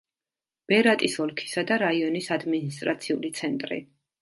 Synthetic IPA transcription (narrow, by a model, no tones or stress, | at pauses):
b̥ɛɾat̪ʼisɔlˠkʰi̥sad̪aɾaiɔnisad̪minist̪ʼɾat̪sʰiulit̪sʰɛnt̪ʼɾḭ